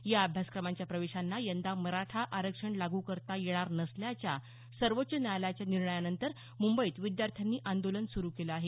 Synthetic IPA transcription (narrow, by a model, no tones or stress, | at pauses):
jaːbʱjaskɾəmaɲt͡ɕjapɾəʋeɕanːajənd̪aməɾaʈʰaʔaɾəkʂəɳlaɡuːkəɾt̪ajeɽ̃aɾnəsljat͡ɕja | səɾʋotːɕənaljat͡ɕjaniɾɳəjanənt̪əɾ | mumbəiːt̪ʋid̪jaɾt̪ʰjanːiːʔand̪olənsuɾuːkeləaɦe